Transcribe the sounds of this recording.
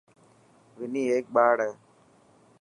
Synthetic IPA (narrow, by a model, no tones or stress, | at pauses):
ʋɪniːeːk̚ɓaːɽeː